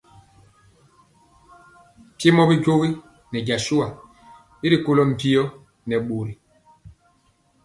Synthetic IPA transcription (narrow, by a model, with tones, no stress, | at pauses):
pje˦mɔ˦bi˦ɟo˦wi˦ | nɛ˨ɟa˨ʃu˦a˨ | bi˦ɾi˨ko˦lɔ˦m̩˨pi˦ɔ˦ | nɛ˨ɓo˨ɾi˨